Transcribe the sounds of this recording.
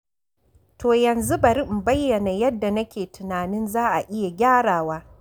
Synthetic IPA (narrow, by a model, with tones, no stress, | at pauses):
toː˨jɐ˨nzu˦bɐ˨ɾi˦m̩˨bɐ˦jːɐ˨na˨jɐ˦dːa˨nɐ˦kʲeː˨tʊ˨naː˨nɪ˦nzaː˦ʔa˨ʔɪ˦ja˨ɡʲaː˦ɽaː˨waː˦